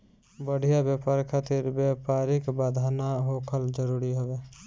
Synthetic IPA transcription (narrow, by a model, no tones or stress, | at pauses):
bəɽ̤ijabjapaɾkʰat̪iɾbjapaɾikbad̪ʱanaɦokʰəld͡ʒəɾuɾiɦobe